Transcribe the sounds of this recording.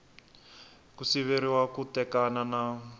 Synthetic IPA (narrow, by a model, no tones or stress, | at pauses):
kusiβeɾiwakutɛkanana